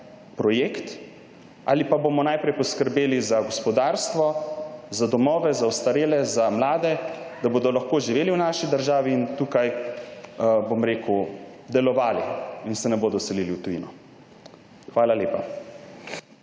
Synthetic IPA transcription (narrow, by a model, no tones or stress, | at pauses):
pɾɔjeːkt̪ | ʔa̰ːlipabomɔnajpɾɛjpɔskəɾbeːlizaɡɔspɔd̪aːɾst̪ʋɔzad̪ɔmɔːʋɛzaɔst̪aɾeːlɛzamlaːd̪ɛd̪̥aboːd̪ɔlaxkoːʒiʋeːliwnaʃid̪əɾʒaːʋiːnt̪uːkaj | bomɾeːkud̪ɛlɔʋaːliinsɛnɛboːd̪ɔsɛliliwt̪ujḭnɔ | xʋaːlaleːpa